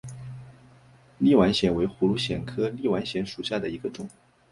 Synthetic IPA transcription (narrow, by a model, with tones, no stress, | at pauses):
li˥˩wa˧˥nɕjɛ˨˩nwe˧˥ɪxu˧˥lu˧˥ɕjɛ˨˩nkʰɤ˥li˥˩wa˧˥nɕjɛ˧˥nʂu˨˩ɕja˥˩d̪ə˩i˧˥ɡə˧ʈ͡ʂʊ˨˩˦ŋ